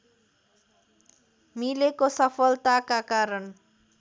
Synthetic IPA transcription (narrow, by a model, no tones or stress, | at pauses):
milekosʌpʰʌlt̪akakaɾʌn